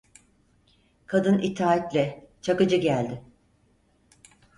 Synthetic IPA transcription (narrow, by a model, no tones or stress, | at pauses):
kʰad̪ɯnit̪ʰaːat̪lʲɛt͡ʃʰakɯd͡ʒɯɟælʲd̪ɪ